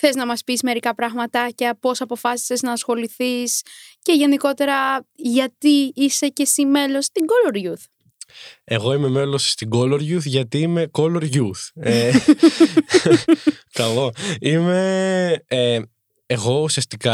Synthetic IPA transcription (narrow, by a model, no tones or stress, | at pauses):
θe̞znɐmɐspisme̞ɾikɐpɾɐɣmɐt̪ɐcɐpo̞sɐpo̞fɐsi̥seznɐːsxo̞liθisce̞ʝeniko̞t̪e̞ɾɐʝɐt̪iise̞cesime̞lo̞st̪iɡo̞loɾʝuθ | e̞ɣo̞ime̞me̞lo̞sːt̪iɡo̞lo̞ɾʝuθʝɐt̪iime̞ko̞lo̞ɾʝuθe | kɐlo̞ime̞ | e | eɣo̞usiɐst̪ikɐ